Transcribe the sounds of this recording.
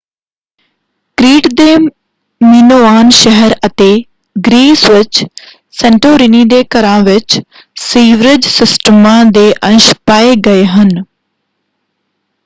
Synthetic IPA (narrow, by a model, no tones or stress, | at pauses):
kɾiːʈd̪eː | mɪnoːaːnʃəɦəɾət̪eː | ɡɾiːsʋɪt͡ʃ | sɛɳʈoːɾiniːd̪eːkəɾãːʋɪt͡ʃ | siːʋɾɪd͡ʒsɪsʈəmãːd̪eːʔə̃nʃpaːeːɡəeːɦən